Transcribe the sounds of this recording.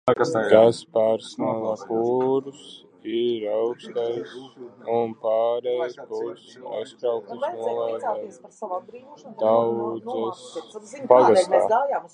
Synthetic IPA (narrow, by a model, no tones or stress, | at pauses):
kt̪aspaɾsnalakuɾus | iɾawkst̪ajsunpaːɾejskuɾsa̰jst̪ɾawkusnuɔlˠaa | d̪awdzaspaɡast̪a̰ː